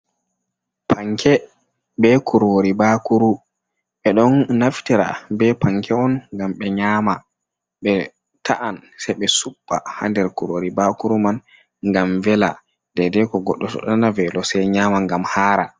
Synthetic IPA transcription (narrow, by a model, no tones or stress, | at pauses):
pʰaŋkʰɛ | bɛkʰuɾoɾibakuɾu | ɓɛɗɔnnaftiɾa̰bɛpaŋkʰɛɔnŋɡamɓɛɲaːma | ɓɛ | tʰaʔansɛjɓɛsuɓːa̰ha̰ndɛɾkuɾoɾibakuɾuman | ŋɡamvɛla̰ | dɛdɛkɔɡɔɗːɔtɔ̰ɗɔnavɛlɔsɛjɲaːmaŋɡamhaːɾa̰